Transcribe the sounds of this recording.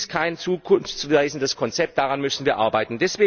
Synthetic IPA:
stkʰaɪnt͡suːkʰʊnft͡svaɪzn̩dəskʰɔnt͡sɛp̚t̚d̥aʁanmʏsn̩viːɐʔaɐbaɪtn̩dɛsv̥eː

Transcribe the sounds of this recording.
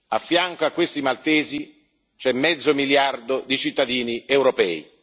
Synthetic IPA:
afːjaŋkoakːwest̪imalt̪ɛːzi | t͡ʃɛmːɛd̪zːʊmiljard̪od̪it͡ʃit̪ːad̪iːniɛwɾopɛ̰ːḭ

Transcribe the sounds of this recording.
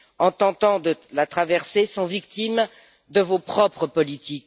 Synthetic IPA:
ɑ̃t̪ɑ̃t̪ɑ̃d̪əlat̪χavɛʁsesɔ̃vik̚t̪im | d̪əvopχɔpχəpɔlit̪ik

